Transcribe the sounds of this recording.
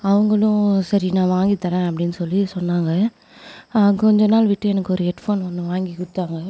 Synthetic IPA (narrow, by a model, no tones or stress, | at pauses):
ɐʋɐŋɡɐɭʊ̃sɐɾinãːʋaːŋɡit̪ːɐɾẽːɐpːɐɽɪnːɯsɔlːisɔnːaːŋɡɐ | ɐkkɔɲd͡ʒɔnːaːlʋɪʈːɯɛnɐkːɯɔɾɯɛʈfoːnʋɐnd̪ɯ̃ʋaːŋɡikʊɽɯt̪ːaːŋɡɐ